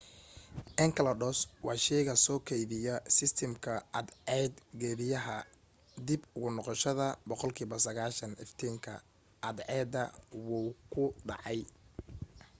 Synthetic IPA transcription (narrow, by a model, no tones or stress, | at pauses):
ʔɛŋkʰɐlɐɖɔːswɑːʃɛjɣɐsɔːkʰɛjðɪjɐsɪst̪ʰɛmkʰɐɐd̪ɛːd̪ɡɛːβɪjɐɦɐ | d̪ibʊɣʊnɔqɔʃɐðɐbɔqɔlkʰiːβɐsɐɣaːʃɐnɪft̪ʰiːŋkʰɐ̰ | ʔɐd̪ʕɛːd̪ɐwukʰʊɖɑ̰ʕɑj